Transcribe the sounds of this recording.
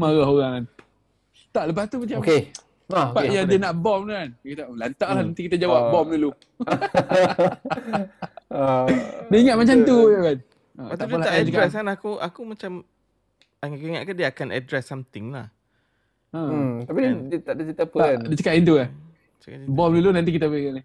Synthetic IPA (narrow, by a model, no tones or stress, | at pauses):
maɣaɦoɣaŋn | t̪aʔləp̬aht̪umat͡ʃake | pajadiənaʔbɔmnankit̪alant̪aʔlahnant̪ikit̪ad͡ʒawap̚bɔmlulu | dəiŋat̪̚mat͡ʃamt̪ujakan | əbat̪aʔpəlaaʔəkkɾɛs̬anakua̰kumat͡ʃam | aŋakuiŋaʔ̚kandiəakanʔa̰dɾɛsːamt̪ɪŋla̰h | ə̃t̪apididt̪aʔdət͡ʃit̪apədət͡ʃəkat̪int̪̬uka | t͡ʃkabɔmlulunant̪̬ikit̪abŋaʔla